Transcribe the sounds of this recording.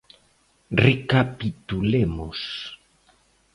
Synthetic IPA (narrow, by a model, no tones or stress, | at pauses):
rekapit̪ulemos